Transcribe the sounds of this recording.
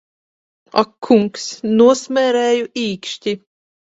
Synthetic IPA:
a̰kʰːuŋksnuɔsmɛɾɛːjuʔiːkʃtʲi

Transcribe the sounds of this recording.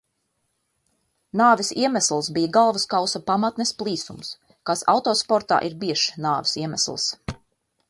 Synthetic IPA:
naːvisiɛmæslˠsbijaɡalˠvaskawsapamat̪nɛsplˠiːsṵms | kasa̰wt̪ɔːspɔɾt̪a̰ːʔiɾbiɛʃnaːvisiɛmæslˠs

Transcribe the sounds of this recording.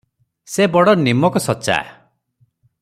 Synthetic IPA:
sebɔɽɔnimɔkɔsɔt͡ʃa̰

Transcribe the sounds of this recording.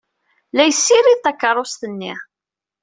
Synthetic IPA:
læjsːiɾiðθækːəɾˤost̪ənːi

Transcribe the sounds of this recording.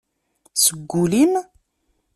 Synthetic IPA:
səɡʷːulim

